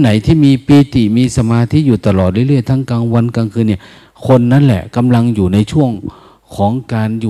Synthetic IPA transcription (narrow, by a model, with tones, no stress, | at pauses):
na˩˦jt̪ʰiː˥˩miː˧piː˧t̪i˨˩miː˧sa˧maː˧t̪ʰiː˥˨juː˨˩t̪a˧lɔː˨˩t̪̚ɾɯ˥˩˨jlɯ˥˩əjt̪ʰa˦˥˩ŋkaː˧ŋwa˧nkaː˧ŋkʰɯː˧nːi˥˩ɐ | kʰo˧nːa˦˥nlɛ̰˨˩ka˧mla˧ŋjuː˨˩na˧jt͡ɕʰu˥˩əŋ | kʰɔː˩˦ŋkaː˧njuː˨